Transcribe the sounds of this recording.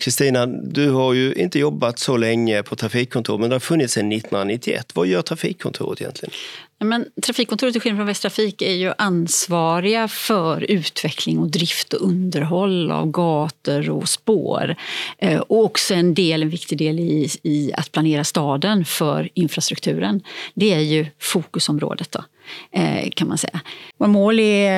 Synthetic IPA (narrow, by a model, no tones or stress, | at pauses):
kʰɾɪst̪iːnad̪ɵhaɾjɵʔɪ̰nt̪əjɔbːat̪sɔlɛŋːəpʰɔt̪ʰɾafiːkʰːɔnt̪ʰṵːɾmɛnd̪ɛhaɾfɵnːɪt̪sɛnːɪt̪ːɔnhɵnɾanɪt̪ʰːɪɛ̰t̪ːvajœːʈʰɾafiːkʰːɔnt̪ʰṵːɾə̰t̪ɪjɛ̰nt̪ʰlɪɡənjɑːmɛnt̪ʰɾafiːkʰːɔnʰuːɾət̪̬ːɪɧɪlfɾɔnvɛst̪ʰɾafiːkæɾjɵʔansvɑːɾɪɡafœɾʉ̟ːt̪vɛkʰlɪŋɔd̪ɾɪft̪ɔʔɵnd̪əɾɦɔlːa̰vɡɑːt̪əɾɔ̰spo̰ːɾ | ɔɔksɔɛnd̪eːlɛnvɪkt̪ɪɡd̪eːlɪːa̰t̪̚pʰlaneːɾast̪ɑːd̪ənfœɾɪnfɾast̪ɾɵkt̪ʰʉ̟ːɾənd̪ɛæɾjɵfuːkɵsɔmɾo̰ːd̪ət̪̚d̪ɔ̰ | kʰanmansɛ̰jːaoɾmoːlɛ